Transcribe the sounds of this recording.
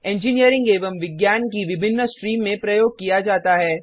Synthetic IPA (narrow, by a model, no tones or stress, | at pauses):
ɛ̃ːɲd͡ʒinijəɾɪ̃ŋɡeːʋəmʋɪɡjaːnkiʋɪbʱɪnːəsʈɾiːmːẽpɾɐjoːɡ̚kijad͡ʒaːt̪aɦɛː